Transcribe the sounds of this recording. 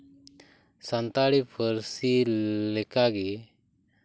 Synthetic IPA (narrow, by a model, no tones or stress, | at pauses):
sant̪aɽipʰəɾsilɛkaɡi